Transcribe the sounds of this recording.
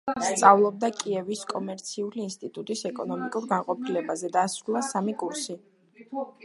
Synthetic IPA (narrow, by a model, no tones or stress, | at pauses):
st̪sʼavlˠɔb̚d̪akʼiɛviskʼɔmɛɾt̪sʰiuliːnst̪ʼit̪ʼut̪ʼisɛkʼɔnɔmikʼuɾɡanqʼɔpʰilɛbazɛd̪asɾulˠasamikʼuɾsi